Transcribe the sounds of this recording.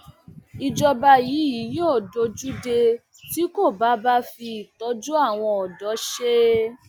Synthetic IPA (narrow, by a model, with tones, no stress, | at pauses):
i˧d͡ʒɔ˧ba˧jiː˨˦ji˨˦joː˦˨do˧d͡ʒu˦de˧ | ti˨˦ko˦˨ba˨˦ba˦fi˧i˨tɔ˨˦d͡ʒu˦a˦˨w̃ɔ̃˧ɔ˨dɔ˨˦ʃe˦